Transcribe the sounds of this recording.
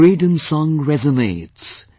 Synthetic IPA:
ɹidə̃nsɔ̃ŋɹɛzəneɪts

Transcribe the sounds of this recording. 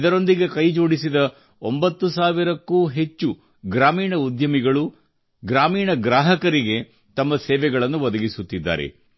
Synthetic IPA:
d̪ɐɾo̞nd̪iɡe̞kɐjd͡ʒo̞ːɽisid̪ɐ | ombɐt̪ːusaːʋiɾɐkːuːɦe̞t͡ʃːu | ɡɾaːmiːɳɐud̪jɐmiɡɐɭu | ɡɾaːmiːɳɐɡɾaːɦɐkɐɾiɡe̞ | t̪ɐmːɐsɛːʋɛɡɐɭɐnːuʋɐd̪ɐɡisut̪ːid̪ːa̰ːɾḛ

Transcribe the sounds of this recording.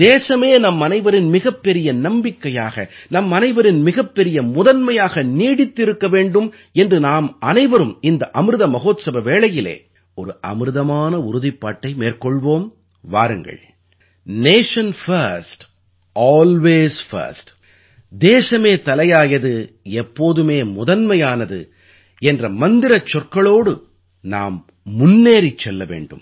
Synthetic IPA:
d̪eːsɐmeːnɐmːɐnɐɪʋɐɾɪnmɪɣɐpːɛɾɪjɐnɐmbɪkːɐjaːɣɐ̰nɐmːɐnɐɪʋɐɾɪnmɪɣɐpːɛɾɪjɐmʊðɐnmɐjaːɣɐniːɽɪt̪ːɪɾɯkːɐʋeːɳɖɯm | ɛndrɯnaːmɐnɐɪʋɐɾɯmɪnd̪ɐʔɐmɯɾɯðɐmɐɣoːt̪sɐbɐʋeːɭɐjɪlḛː | ɔɾɯʔɐ̰mɾɯðɐmaːnɐʊɾʊðɪpːaːʈːɐɪmeːrkɔɭʋoːm | ʋaːɾɯŋɡɐ̰ɭ | neːʂɐnfɐɾsʈ | aːlʋeːsfɐ̰ɾsʈ | d̪eːsɐmeːt̪ɐlɐjaːjɐðɯ | ɛpːoːðɯmeːmʊðɐnmɐjaːnɐðɯ̰ | ɛndrɐmɐnd̪ɪɾɐt͡ʃːɔrkɐɭoːɽɯ | na̰ːmː | ʊnːeːɾit͡ʃːɛlːɐʋḛːɳɖɯ̰m

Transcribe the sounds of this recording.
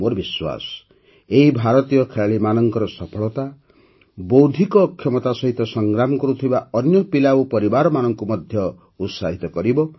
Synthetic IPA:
moɾɔbiswa̰sɔ̥ | eɦibʱaɾɔt̪ijɔkʰeɭaɭimanɔŋkɔɾɔsɔpʰɔɭɔt̪a | bowd̪ʱikɔkʰːjɔmɔt̪asɔɦit̪ɔsɔŋɡɾamɔkɔɾut̪ʰibaɔnjɔpilaupɔɾibaɾɔmanɔŋkumɔd̪ʱjɔ | ut̪saɦit̪ɔkɔɾibɔ

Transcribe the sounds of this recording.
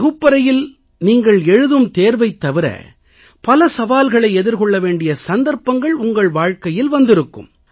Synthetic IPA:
ɣɯpːɐɾɐjɪl | niːŋɡɐɭɛɻɯðɯmt̪eːɾʋɐɪt̪ːɐʋɪɾɐ̰ | pɐlɐsɐʋaːlɣɐɭɐɪɛðɪɾkɔɭːɐʋeːɳɖɪjɐsɐnd̪ɐɾpːɐŋɡɐɭʊŋɡɐɭʋaːɻkɐjɪlʋɐnd̪ɪɾɯkːɯ̰m

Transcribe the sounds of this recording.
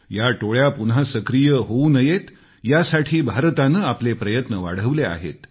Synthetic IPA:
jaʈoɭjapunɦasəkɾijəɦounəjet̪ | jasaʈʰiːbʱaɾt̪anəaplepɾəjət̪nəʋa̰ɽ̤əʋlea̰ɦḛt̪

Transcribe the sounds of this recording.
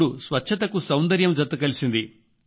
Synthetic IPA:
ɽusʋɐtːʃʰɐt̪̬ɐkusɐwnd̪ɐɾjɐmd͡ʒɐt̪ːɐkɐlisind̪i

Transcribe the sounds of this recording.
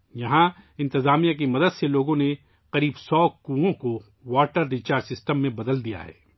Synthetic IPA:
jɐɦãɪ̃nt̪ɪzaːmijak̬imɐd̪əd̪seloːɡõne | qɐɾiːbsɔːkuõko | waːʈəɾːit͡ʃaːɾd͡ʒsɪsʈəmːẽbɐd̪əld̪ija̰ɦɛ̰ː

